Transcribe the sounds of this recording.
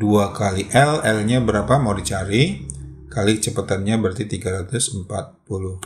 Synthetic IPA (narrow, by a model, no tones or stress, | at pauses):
duakaliʔɛlɛlɲabəɾapamodit͡ʃaɾikalɪk̚t͡ʃəpət̪anɲabəɾat̪it̪iɡaɾat̪ʊsəmpat̪̚pulʊh